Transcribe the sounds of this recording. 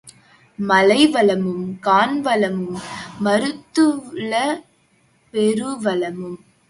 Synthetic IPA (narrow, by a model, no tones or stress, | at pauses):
mɐlɐɪʋɐɭɐmɯmkaːnʋɐɭɐmɯmːɐɾɯt̪ːɯɭɐ | pɛɾɯʋɐlɐmɯm